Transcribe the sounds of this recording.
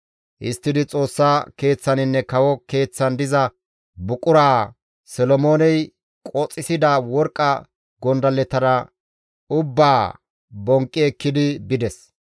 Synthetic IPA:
ʔɪst̪ːɪd̪ɪt͡sʼo̞ːsːaːke̞ːt͡sːɐnɪnːɛkɐwɔke̞ːt͡sːɐnd̪ɪzɐ | bʊkʼʊɾaː | sɔlɔmo̞ːnɛj | kʼɔt͡sʼːɪsɪd̪awɔɾkʼːɐ | ɡɔnd̪ɐlɛt̪ɐɾɐ | ʊbːaː | bɔŋkʼːɪɛkːɪd̪ɪbɪd̪ɛs

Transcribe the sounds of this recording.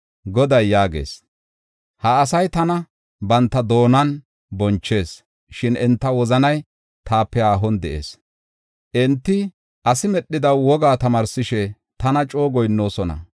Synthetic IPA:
ɡɔd̪ɐjːaːɡḛːs | hɐːsɐjt̪ɐnɐ | bɐnt̪ːɐd̪o̞ːnɐn | bɔnt͡ʃːe̞ːs | ʃɪnɛnt̪ːɐwɔzɐnɐj | t̪ʰaːpːɛaːɦɔnd̪ɛʔḛːs | ʔɛnt̪ːɪ | ʔɐsɪmɛɗːɪd̪ɐwwɔɡaːt̪ɐmɐːɾsɪʃɛ | t̪ɐnɐt͡ʃʼo̞ːɡɔjnːo̞ːsɔnɐ̰

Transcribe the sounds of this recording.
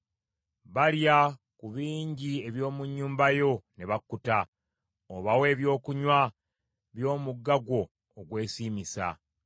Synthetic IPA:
βalja | kuβiːɲɟie̞βjo̞ːmuɲːuːmbajo̞ne̞βakːuta | oβawe̞ːβjo̞ːkuɲwa | βjo̞ːmuɡːaɡwo̞ː | ɡwe̞ːsiːmisa̰

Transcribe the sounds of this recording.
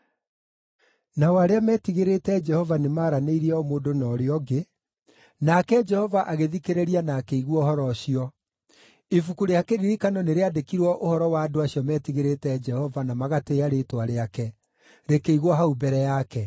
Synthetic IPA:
nawaɾeamɛːtiɣeɾetɛd͡ʒɛhɔvanemaːɾaneiɾiɛɔmoːdonɔɾeɔɡe | nakɛd͡ʒɛhɔvaʔaɣeðikeɾeɾianaːkeiɣwɔhɔɾɔɕiɔ | efukuɾeakeɾiɾikanɔneɾeadekiɾwɔʔohɔɾɔwaːdoaɕiɔmɛtiɣeɾetɛd͡ʒɛhɔvanamaɣateaɾetwaɾeakɛ | ɾekeiɣwɔɦaubɛɾɛjakɛ

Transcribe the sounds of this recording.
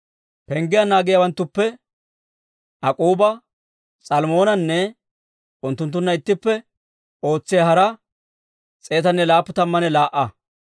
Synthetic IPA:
pɛŋɡɪjɐnaːɡɪjawɐnt̪ːʊpːɛ | ʔɐkʼuːbɐ | sʼɐlmo̞ːnɐnːɛ | ʊnt̪ːʊnt̪̬ːʊnːɐɪt̪ːɪpːɛ | ʔo̞ːt͡sːɪjɐhɐɾɐ | t͡sʼe̞ːt̪ɐnːɛlaːpːʊt̪ɐmːɐnɛlaːʔːɐ

